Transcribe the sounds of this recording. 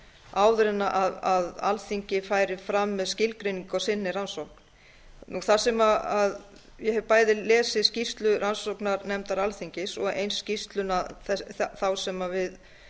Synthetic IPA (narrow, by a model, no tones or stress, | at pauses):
aːwðɾɛnaʔaðaða̰lθiɲcɪfaːjɾɪfɾamːɛðscɪlkɾejniŋkawsɪnːɪɾansowkn̥ | nuθasɛmaað | jɛhɛvpaːjðɪlɛːsɪscist̪lʏɾansowknaɾnɛmt̪aɾalθiɲcɪsɔɣḛjnsːcist̪lʏnaθɛθawsɛmavɪð